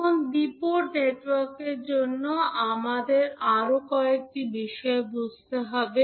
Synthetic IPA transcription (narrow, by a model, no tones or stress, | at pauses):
onb̪ipuɾneʈwaɾkeɾd͡ʑonːoamad̪eɾaɾokɔek̚ʈibiʃɔebud͡ʑt̪eɦɔbe